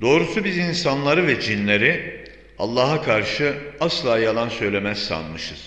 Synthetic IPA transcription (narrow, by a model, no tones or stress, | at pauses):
d̪o̞ːɾusubizinsanlˠaɾɯvɛd͡ʒinlʲeɾi | a̰lˠːaːɦakʰaɾʃɯaslˠaːjalˠansø̞jlʲe̞mæz̥sa̰nmɯʃɯz̥